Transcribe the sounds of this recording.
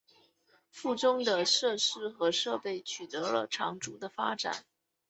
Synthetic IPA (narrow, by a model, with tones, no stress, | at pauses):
fu˥˩ʈ͡ʂʊ˥ŋd̪ə˨ʂɤ˥˩ʂɻ̩˥xɤ˧˥ʂɤ˥˧pe˥˩ɪt͡ɕʰy˨˩t̪ɤ˧˥lə̰˧ʈ͡ʂʰɑ˧˥ŋʈ͡ʂu˧˥d̪ə˧fa˥ʈ͡ʂa̰˨˩˦n